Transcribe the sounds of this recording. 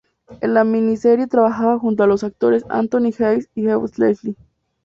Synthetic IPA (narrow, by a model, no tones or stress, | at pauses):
elamĩniseɾjet̪ɾaβaxaβaxunt̪̬oalosak̚t̪oɾesa̰nt̪onixejsixewoslesli